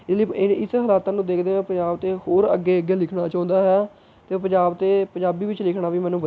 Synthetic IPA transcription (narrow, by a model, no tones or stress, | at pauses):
ɪsləiːɪnɪsɦəlaːt̪ãːnũːd̪eːkʰd̪eːẽːpəd͡ʒaːbt̪eːhoːɾəɡːeːəɡːeːlɪkʰɳaːt͡ʃãːnd̪aːɦɛː | t̪eːpəɲd͡ʒaːbt̪eːpəɲd͡ʒaːbiːʋɪt͡ʃlɪkʰɽaːʋiːmɛ̃ːnũːbə